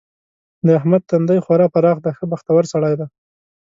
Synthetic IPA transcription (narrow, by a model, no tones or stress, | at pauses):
d̪əahmad̪̚t̪and̪ajxwaɾɑpaɾɑxd̪axəbaxt̪awaɾsaɽɑjd̪a